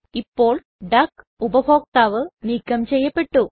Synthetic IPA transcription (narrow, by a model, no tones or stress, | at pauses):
ipːoːɭ | ɖɐk | ubɐbʱoːɡ̚t̪aːʋɨniːkːɐmt͡ɕejːɐpːeʈːu